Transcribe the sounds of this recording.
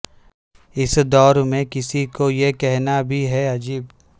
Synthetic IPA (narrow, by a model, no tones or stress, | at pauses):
ɪsd̪ɔːɾmẽkɪsikojekɛɦnabʱiɦɛɐd͡ʒiːb